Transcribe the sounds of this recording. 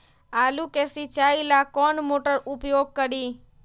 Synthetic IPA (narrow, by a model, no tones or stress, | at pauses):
alukesit͡ʃailakɔɳmoʈəɾupjoɡ̚kəɾi